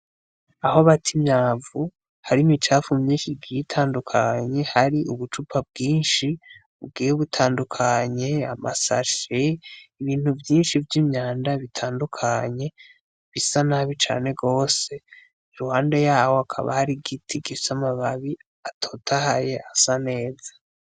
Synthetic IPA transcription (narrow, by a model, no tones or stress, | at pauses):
ahoβatʰimɲaːvu | haɾimit͡ʃaːfumumɲiʃiɡiitʰaːndukʰaɲe̞haɾiuβut͡ʃupʰab̚ɡiːnʃiβub̚ɡiːjeβutʰaːndukʰaɲe̞ama̰sa̰ʃeiβiːn̥huvjiːnʃivjimɲaːndaβitʰaːndukʰaɲe̞ | βisanaβit͡ʃa̰ːne̞ɡo̞ːse̞ | iɾuhaːnde̞jaːho̞akʰa̰βa̰haɾiɡitʰiɡisamaβaβi | atʰo̞tʰahajeʔasane̞ːzḁ